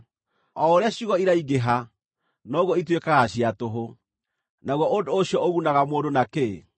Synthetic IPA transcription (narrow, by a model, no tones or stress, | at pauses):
ɔoɾeaɕiɣɔiɾaiɡeɦa | nɔɣwɔitwekaɣaɕiatoɦo | naɣwɔʔodooɕijɔoɣunaɣamoːdonake